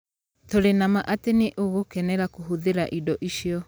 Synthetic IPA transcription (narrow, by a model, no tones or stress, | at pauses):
toɾenamaʔateneʔoɣokɛnɛɾakoɦoðeɾaʔidɔʔiʃijɔ